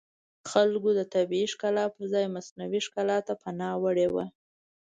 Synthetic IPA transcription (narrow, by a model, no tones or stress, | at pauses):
xalɡod̪ət̪abiiʂkɑlɑpəɾzɑjmasnawiʂkɑlɑt̪ːapanɑwəɽewa̰